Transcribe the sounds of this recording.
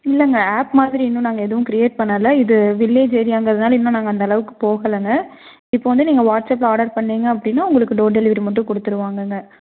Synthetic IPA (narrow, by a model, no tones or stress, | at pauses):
ɪlːɐŋɡɐaːpmaːðɪɾiɪnːɯ̃naːŋɡɐɛðɐʋʊ̃kɪɾɪjeːʈ̚pɐɳːɐlːɐɪðɯʋɪlːeːd͡ʒɛɾɪjaːŋɡɐɐðɐnaːlɐɪnːɐ̃naːŋɡɐnd̪ɐɐlɐʋɯkːɯ̥poːɣɐlɐŋɡɐ | ɪpːoːʋɐnd̪ɯniːŋɡɐʋaːʈsɐp̬ːaːɖɐɾpɐɳːeːŋɡɐːpːɐɽɪnːaːʊŋɡɐɭɯkːɯɖoːɖɛlɪʋɐɾmɐʈ̬ːɯ̃kɔɽɯt̪ːɯɾɯʋaːŋɡɐŋɡɐ